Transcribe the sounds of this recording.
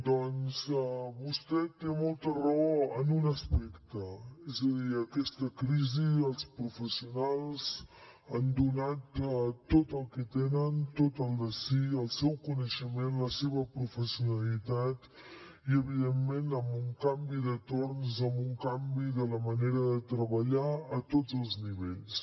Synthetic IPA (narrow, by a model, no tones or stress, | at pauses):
d̪ɔnzɛβust̪ɛt̪emɔlˠt̪əroənunəspɛkt̪əɛzəðiəkɛst̪əkɾiziəlˠspɾufəsiunalˠz | and̪unat̪t̪ːot̪əlˠkət̪enənt̪ot̪əlˠd̪əsiəlˠsɛwkunəʃəmenləseβəpɾufəsiunəlit̪at̪ | iəβiðemːenəmbuŋkambiðət̪ornzəmbuŋkambiðələməneɾəðət̪ɾəβəʎaət̪od͡zəlˠzniβeʎs